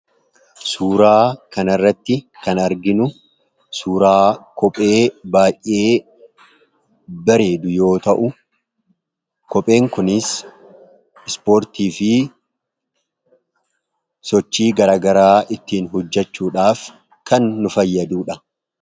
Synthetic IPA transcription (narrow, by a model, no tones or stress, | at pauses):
suːɾaːkɐnɐrːɐt̪ːɪkɐnɐɾɡɪnʊ | suːɾaːkɔpʼe̞ːbaːjʔːe̞ː | bɐɾe̞ːd̪ʊjo̞ːt̪ɐʔʊ | kɔpʼe̞ːŋkʊnɪs | ɪspoːɾt̪iːfɪ | sɔt͡ʃːiːɡɐɾaːɡɐɾaːʔɪt̪ːiːnɦʊd͡ʒːɐt͡ʃːuːᶑaːf | kʰɐnːʊfɐjːɐd̪uːᶑɐ